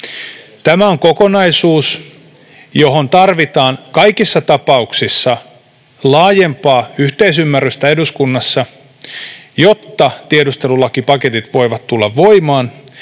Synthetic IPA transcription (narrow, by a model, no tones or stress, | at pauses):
t̪æmæoŋkokonɑisuːs | jo̞ɦont̪ɑrʋit̪ɑːnkɑjkisːɑt̪ɑpɑuksisːɑ | lɑːje̞mpɑːyht̪eisymːæryst̪æeduskunːɑsːɑ | jot̪ːɑt̪iedust̪e̞lulɑkipɑke̞t̪it̪ʋo̞iʋɑt̪t̪ulːɑʋʋo̞imɑːn